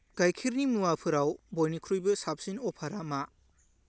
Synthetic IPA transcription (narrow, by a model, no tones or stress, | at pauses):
ɡajkʰiɾnimuwapʰɯɾawbojnikʰɾujbɯsap̚sinɔpʰaɾama